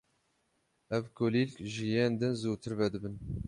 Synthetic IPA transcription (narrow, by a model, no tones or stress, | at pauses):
ɛvkoliːlkʲʒijeːnd̪ɨnzuːt̪ʰɨɾvɛd̪ɨbɨn